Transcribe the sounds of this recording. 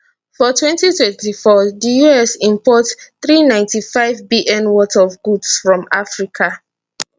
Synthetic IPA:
fɔtʰwɛ̃ntitwɛ̃ntifɔdijuɛsĩmpɔtθɹinãɪ̃ntifaɪvbiʔɛ̃nwɔtaɔvɡudsfɹɔ̃mafɹikʰa

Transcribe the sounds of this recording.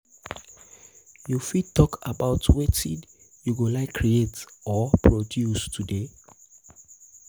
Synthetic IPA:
jufid̚tːɔkʰabaʊtʰwetḭ | juɡolaɪkʰːɹietɔpʰɹodjustʰude

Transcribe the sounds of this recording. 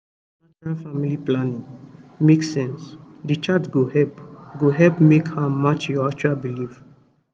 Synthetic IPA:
at͡ʃɹalfamiliplanĩŋmeksɛ̃ns | dit͡ʃatɡohɛpɡoɦɛlpmekhamat͡ʃjɔakt͡ʃualbilif

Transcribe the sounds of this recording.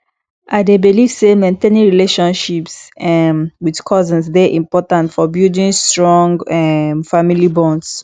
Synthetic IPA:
ʔadebilivsemɛ̃nteniɹileʃɔ̃nʃipsɛmwiðkʰɔzə̃nsðɛʔĩmpɔtãntfɔbildĩnstɹɔ̃ŋɡɛmfamilibɔ̃nds

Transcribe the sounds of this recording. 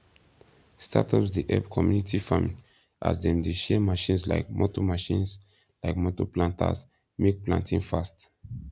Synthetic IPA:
stʰa̰tʰɔpsdiʔɛpkʰɔmjunitifamĩ | ʔa̰sdɛ̃mdeʃɛmaʃĩnsla̰ɪk̚mɔtɔmaʃĩns | laɪkmɔtɔplãntʰa̰s | mek̚plã̰ntĩnfast

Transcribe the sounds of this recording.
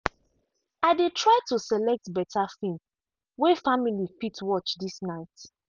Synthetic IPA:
aɪdetʰɹaɪtusɛlɛk̚tbɛtʰafĩm | wɛfamilipitwɔt͡ʃdisnaɪt

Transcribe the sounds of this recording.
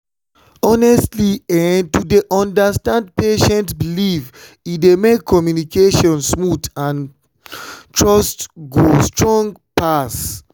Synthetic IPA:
ɔnɛstliɛntudeʔɔ̃ndastãndpeʃɛ̃ntbiliv | idemekʰːɔmjunikeʃɔ̃nsmutãn | tʰɹɔstɡostɹɔ̃ŋɡpas

